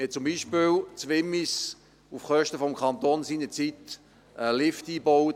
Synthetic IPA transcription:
ɛt͡sʊmbiːʃpɪlt͡sʋɪmːis | ufχœʃtəfɔmkʰɑnt̪oːnsiːnət͡sit | ɛlɪftiːbɔw

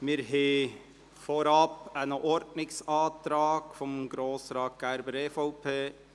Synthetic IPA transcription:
mɪɾɦeː | foɾɑpænəʔɔɾdnɪksɑːt̪ɾɑːɡ̥fɔmɡɾoːsɾɑːt̚ɡ̥æɾbəɾɛfɔʊpʰeː

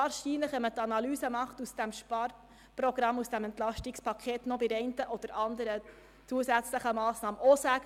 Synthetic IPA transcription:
ɑːɾʃiːnləχʋɛmət̪ɑnɑlyːsəmɑχt̪usd̥æmʃpɑɾ | pɾɔɡ̥ɾɑmːusd̥æmɛntlɑʃtikspʰɑkʰeːt̪nɔbɪɾɛɪntəʔɔd̪̥əɾɑnd̪əɾə | t͡suəsæt͡sləχəmɑːsnɑːməʔɔsæɡ

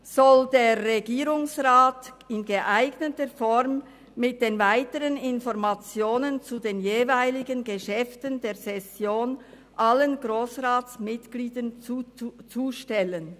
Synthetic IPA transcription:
z̥ɔldeːʁʁeɡiːɾʊŋsʁaːt | ɪnɡəʔaɪɡnətəfɔʁmː | ɪt̚d̥eːnvaɪtəʁənɪnfɔʁmat͡sjoːnənt͡sudeːnjeːvaɪlɪɡənɡəʃɛftəndeːsɛsjoːn | ʔalənɡʁoːsʁaːtt͡smɪtɡ̥liːdən | t͡suːʃtɛlən

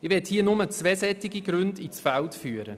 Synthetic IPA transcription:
ɪvʋɛɐthiːənʊmət͡svɛːsɛtɪɡiɡɾʏndit͡sfaltfyːəɾə̰

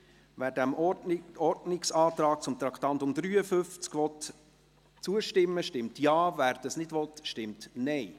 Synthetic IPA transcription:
ʋæːɾdæmɔɾdnɪksɑːt̪ɾɑːk̚t͡sʊmt̪ɾɑkt̪ɑnt̪ʊmd̥̪ɾyːəfʏft͡skʋɔt | t͡suəʃtɪmːəʃtɪmt̪jɑːvæːɾd̥ɑsnɪdʋɔt̪ʃtɪmtnɛɪ

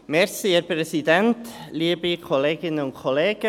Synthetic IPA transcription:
mɛɾsiɛɾpɾɛsidɛntliːəbikʰɔleːɡɪnəʊntkʰɔleːɡ̥ə

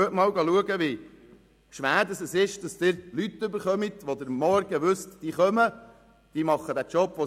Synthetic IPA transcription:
ətmɑːwɡɑluəɡəʋɪ | ʃʋæːɾdɑsəsɪʃd̥ɑst̪ɪɾlyt̪ːʏbəɾχœmit̪ʋod̪əɾmɔɾɡ̥əʋʉstd̥iːχœmə | d̥iːmɑχːəd̥̪æt͡ʃɔpʋo

